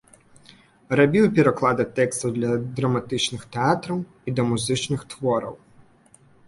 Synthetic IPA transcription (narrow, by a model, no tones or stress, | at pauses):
rɐbʲiwpʲiɾɐklˠɑd̪ɐt̪ɛkst̪ɐwd̪lʲɐd̪ɾɐmat̪ɪt͡ʃnɪxt̪eɑt̪ɾɐw | id̪ɔmʊzɪt͡ʃnɪxt̪ʋɔɾɐw